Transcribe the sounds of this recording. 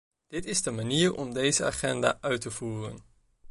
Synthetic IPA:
d̥ɪtɪzdəmaniːrɔ̰mdejzəa̰ːχɛnda̰ːʔœɥtəv̥uːrə̰n

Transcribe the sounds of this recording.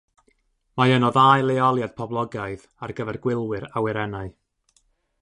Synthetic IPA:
majənɔðaːjlˠeɔlˠjad̥̚pʰɔblˠɔɡaɨð | arɡəvɛrɡwɪlˠwɨɾawɛɾɛnaɨ

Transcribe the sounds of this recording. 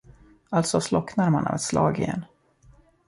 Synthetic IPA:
alt̪sɔslɔknaɾmana̰vɛt̪slɑːɡɪjɛ̰n

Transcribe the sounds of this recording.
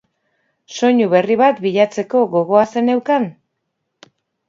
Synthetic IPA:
so̞ɲuβe̞riβat̪biʎat͡se̞ko̞ɣo̞ɣo̞ase̞ne̞wkan

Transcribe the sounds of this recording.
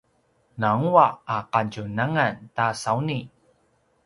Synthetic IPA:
naŋuaːqancunaŋantasawni

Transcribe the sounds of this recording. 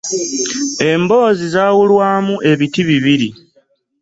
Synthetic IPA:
e̞mbo̞ːzizaːwulwaːmuʔe̞βitiβiβiɾi

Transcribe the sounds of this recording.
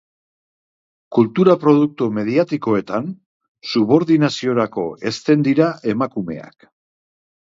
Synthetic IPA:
kult̪uɾapɾo̞ðuk̚t̪ume̞ðiat̪iko̞e̞t̪an | suβ̞o̞ɾðinasio̞ɾako̞e̞st̪e̞nd̪iɾaʔe̞makume̞̰a̰k

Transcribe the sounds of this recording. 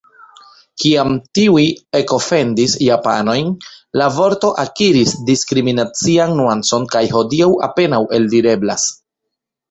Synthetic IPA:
kiamtiuie̞ko̞fe̞ndisjapa̰no̞jnlavo̞ɾto̞ʔakiɾisdiskɾiminat͡sianːuant͡so̞nkajɦo̞diawa̰pe̞nawʔe̞ldiɾe̞blas

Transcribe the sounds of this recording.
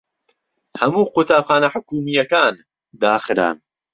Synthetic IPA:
hɐmuːqut̪ʰaːpχaːnɐħʊkuːmijɐkaːn | d̪aːxɨɾa̰ːn

